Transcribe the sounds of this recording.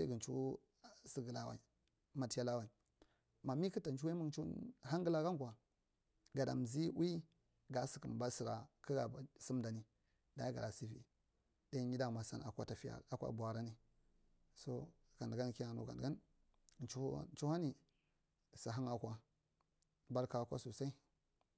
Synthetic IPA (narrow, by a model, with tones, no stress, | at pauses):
a˦ɡə˨nt͡ʃu˦ | si˦ɡə˨la˦wa̰˨i˨ | ma˨ti˦ja˦la˦wa˨i˨ | ma˨mi˦kə˦ta˨n˨t͡ʃu˦wi˦mu˦ŋt͡ʃu˦ha˦ŋɡə˦la˦ɡa˦ŋ˦kʷa˨ | ɡa˨da̰˨m˨zi˦wi˦ | ɡa˨si̥˨kə˨m˨ba˦si˨ɾa˨kə˦ɡa˨si˦m˦da˨ni˦ | da˨ja˦ɡa̰˨da˨si˦vḭ˨ | da˦ɲi˦da˦ma˨sa̰˦na̰˨kʷa˦ta˨fi˦ja̰˨ɾa˨kʷa̰˦bu˨a˨ɾa˦ni˦ | so˦ | ɡ̥a˨ndɡa˦n˨ki˦na˨no˨ɡa̰˨a˦n˨ | t͡ʃṵ˦t͡ʃu˦ha˦ni˨ | sa˨ɦa˦ŋa˨kʷa˦ | ba˦ɾka˨˦kʷa̰˦so˨sa˦i˦